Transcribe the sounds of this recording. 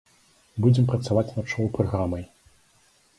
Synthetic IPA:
bud͡zʲɛmpɾɐt̪savat͡sʲnat͡ʂɔwpɾaɣɾamɐj

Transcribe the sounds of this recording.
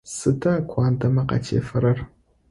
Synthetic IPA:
sɨdɐkʷʰɑːndɐmɐqɐ̰tʰḛːfɐɾɐr

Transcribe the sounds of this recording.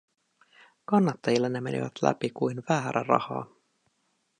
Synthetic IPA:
kɑnːɑt̪ːɑjilːɑnːe̞me̞̰nḭʋæ̰t̪læ̰pikujnʋæːɾʔærɑ̰hɑ̰ː

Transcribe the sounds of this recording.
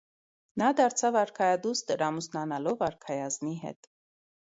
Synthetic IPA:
nɑd̪ɑɾt͡sʰɑvɑɾkʰɑjɑd̪ust̪əɾɑmusnɑnɑlɔvɑɾkʰɑjɑzmiɦɛ̰t̪

